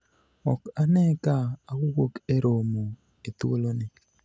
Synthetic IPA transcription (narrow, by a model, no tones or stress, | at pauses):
ɔkanɛkaawuwokeɾomo | et̪olonɪ